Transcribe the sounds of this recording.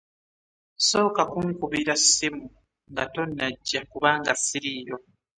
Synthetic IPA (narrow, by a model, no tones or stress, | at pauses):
so̞ːkakuŋkuβiɾasimu | ŋɡato̞nːaɟːakuβaːŋɡasiɾiːjo̞